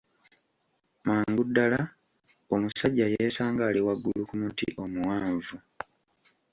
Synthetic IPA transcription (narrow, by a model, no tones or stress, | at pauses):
mwaːŋɡudːala | o̞musaɟːajeːsaːŋɡaːliwaɡːulukumutḭʔo̞muwaːɱvu